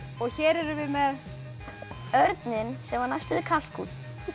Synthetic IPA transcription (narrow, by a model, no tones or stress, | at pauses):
ɔɣçjɛɾɛɾʏvɪmɛð | œɾt̪nɪnsɛmvaɾnajst̪ʏðɪkʰal̥kʰṵt̪